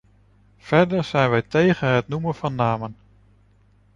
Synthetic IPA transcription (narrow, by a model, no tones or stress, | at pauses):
v̥ɛɹdəɹz̥ɛjnʋɛjtejχənɦətnumənvɑnːaːmən